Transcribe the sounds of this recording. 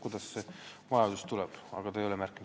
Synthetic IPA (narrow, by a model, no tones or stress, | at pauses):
kujd̪̥ɑssevɑjɑd̪ust̪ulɛb̥ɑ̰ɡ̥ɑt̪ɑejo̞lɛmærkːˑim